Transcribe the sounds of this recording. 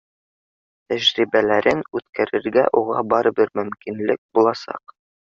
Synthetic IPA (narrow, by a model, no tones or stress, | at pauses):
t̪æʑɾibælæɾɘnʉt̪kʰæɾɘ̆ɾɡæʔuʁɑbɑɾɤ̆bɘɾmɵ̆mkinlɘk̚bulˠɑsɑ̰q